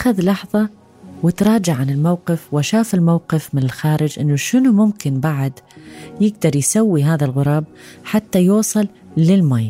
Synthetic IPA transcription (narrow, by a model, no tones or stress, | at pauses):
ʔaxaðlɑħðˤɑ | wɪt̪ɾˤɑːd͡ʒaʕʕanɪlmawqɪfwɪʃaːfɪlmawqɪfmɪnɪlxaːɾɪd͡ʒʔɪnːuʃɪnumʊmkɪnbaʕad̪jɪɡd̪ɑɾˤjsawːiɦaːðalɣʊɾˤɑːb̚ħat̪ːajuːsˤɨl | lɪlmaj